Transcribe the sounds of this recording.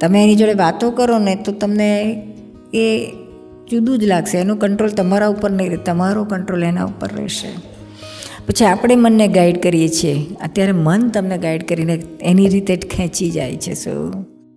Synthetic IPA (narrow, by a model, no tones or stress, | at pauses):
t̪əmeːnid͡ʒoɽeʋat̪okəɾonet̪ot̪əmne | e | d͡ʒud̪ũd͡ʒlaɡʃeːnũkəɳʈɾolt̪əmaɾaupəɾnəiɾɛt̪əmaɾokəɳʈɾolena̰ṵpə̰ɾːɛ̰ʃḛ | pət͡ʃʰiapɽ̃emənːeɡaiɖkəɾijet͡ʃʰijeə̰t̪jaɾemənt̪əmneɡaiɖkəɾineeniɾit̪ekʰɛ̃t͡ʃid͡ʒa̰jt͡ʃʰḛso̰u